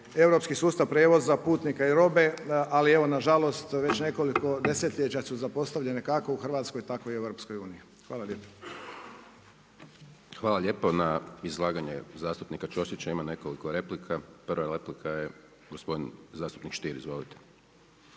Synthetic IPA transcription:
e̞wɾo̞pskisuːst̪aʋpɾeʋo̞zːapuːt̪nikaiɾo̞be̞ʔalie̞ʋo̞naʒalo̞st̪ʋe̞t͡ɕne̞ko̞liko̞d̪e̞set̪ʎet͡ɕasuzapo̞st̪aʋʎe̞nekako̞uxr̩ʋaːt̪sko̞jit̪akojie̞ʋɾopsko̞juːnii | xʋaːlˠaʎʲeːpo̥ | xʋaːlˠaʎe̞ːponaizlˠaːɡaɲḛzaːst̪upnikat͡ʃosit͡ɕaimane̞kolikoɾe̞plikʰaprʋaleplikʰaje | ɡospo̞d̪inzaːst̪u̥pnikʃt̪iːɾizʋo̞lit̪e̥

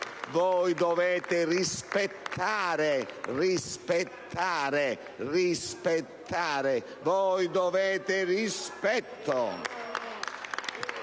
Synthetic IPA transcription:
vɔjd̪ovɛːt̪ɪrispet̪ʰːaːɾɪrispet̪ʰːaːɾɪ | rispet̪ʰːaːɾɪ | vɔjd̪oveːt̪ɪrispɛt̪ʰːo

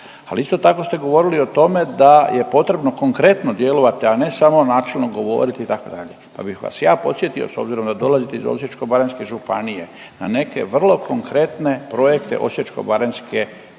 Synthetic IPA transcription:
aliist̪o̞t̪ako̞st̪e̞ɡo̞ʋo̞ɾilio̞t̪o̞me̞d̪ajʔe̞po̞t̪ɾe̞bno̞ko̞ŋkɾe̞t̪no̞d̪jelo̞ʋat̪iane̞samo̞naːt͡ʃelˠno̞ɡo̞ʋo̞̰ɾit̪iːt̪ako̞d̪aʎe̞pa̰bixʋa̰sjaːpo̞t̪sje̞t̪io̰so̞̰bziɾo̞md̪ad̪o̞lazit̪eizo̰sjet͡ʃko̞baɾenske̞ʒupa̰nije̞ | na̰ne̞kʰe̞̰ʋr̩lo̞kʰo̞ŋkɾe̞t̪nepɾo̞je̞kt̪eʔo̞̰sjet͡ʃko̞̰baɾenske

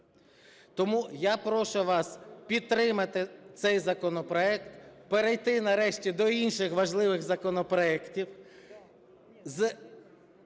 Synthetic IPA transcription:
t̪ɔmujapɾɔʃʊʋɑspʲid̪̚t̪ːɾɪmɐt̪ɪt̪sɛjzɐkɔnɔpɾɔɛk̚t̪peɾejt̪ɪnɐɾɛʃtʲid̪ɔinʃɪxʋɐʒlˠɪʋɪɣzɐkɔnɔpɾɔɛktʲiw | z

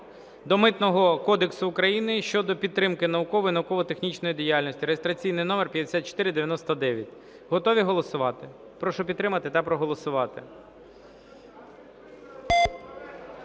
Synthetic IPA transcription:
d̪ɔmɪt̪nɔɦɔkɔd̪eksʊːkɾɐjinɪʃt͡ʃɔd̪ɔpʲid̪t̪ːɾɪmkɪnɐʋʊkɔʋɔjinɐʋʊkɔʋɔt̪exnʲit͡ʃnɔjid̪ʲijalʲnɔsʲtʲiɾejest̪ɾɐt͡sʲijnɪjnɔmerpʲjɐd̪ʲesʲat̪̚t͡ʃɔ̥t̪ɪɾɪd̪eʋʲjɐnɔst̪ɐd̪ɛʋʲjɐtʲ | ɦɔt̪ɔʋʲiɦɔlˠɔsʊʋɑt̪ɪ | pɾɔʃɔpʲid̪t̪ːɾɪmɐt̪ɪt̪ɑpɾɔɦɔlˠɔsʊʋɑt̪ɪ

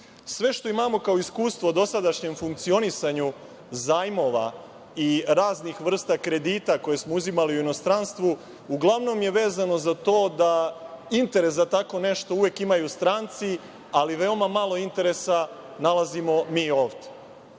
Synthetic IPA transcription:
sʋe̞ʃt̪o̞imamo̞kao̞iskuːst̪ʋo̞d̪o̞sad̪aʃɲe̞mfuŋk̚t̪sio̞nisaɲu | zaːjmo̞ʋa̰ | iɾaːznixʋr̩st̪akɾe̞d̪iːt̪ako̞je̞smo̞uzimaliuino̞st̪ɾanst̪ʋu | uɡlˠaʋno̞mje̞ʋe̞ːzano̞zat̪o̞ːd̪aint̪e̞ɾe̞sat̪ako̞ne̞ʃt̪o̞uʋekimajust̪ɾaːnt̪si | aliʋe̞omamalo̞int̪e̞ɾe̞sa | nalˠazimo̞miːo̞ːʋt̪e

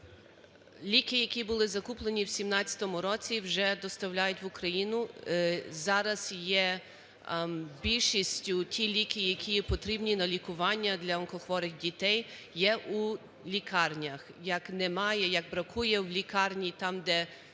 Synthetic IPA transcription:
lʲikɪjɐkʲibʊlˠɪzɐkuplˠenʲiwsʲimnɑtʲɐ̥t̪ɔmʊɾɔt͡sʲiwʒɛd̪ɔst̪ɐwlʲajʊtʲʋʊkɾɐjinʊ | zɑɾɐz̥jɛ | bʲilʲʃisʲtʲʊtʲʰilʲikɪjɐkʲʰijɛpɔt̪ɾʲibnʲinɐlʲikʊʋɑnʲːɐd̪lʲɐɐnˠkɔxʋɔɾɪɣdʲit̪ɛj | jɛʔu | lʲikʰɑrnʲɐxjɐknɛmɑjɛjɐɡ̚bɾɐkujɛwlʲikɑrnʲit̪ɑmd̪ɛ

